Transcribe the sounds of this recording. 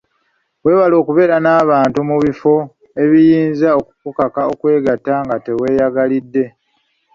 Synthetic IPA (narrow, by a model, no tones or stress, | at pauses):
we̞ːβalo̞ːkuβe̞ːɾanaːβaːntumuβifo̞ | e̞βijiːnzao̞kukukakao̞kwe̞ːɡatːaŋɡate̞we̞ːjaɡalidːe̞